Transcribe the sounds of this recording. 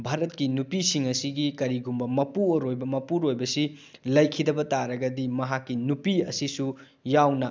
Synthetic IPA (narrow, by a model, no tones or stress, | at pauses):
bʱaɾɐtkinupisiŋɐsiɡikɐɾiɡumbɐmɐpuoɾojbɐmɐpuɾojbɐsi | lɐjkʰidɐbɐtaɾɐɡɐdimɐɦakːinupiɐsisu | jawnɐ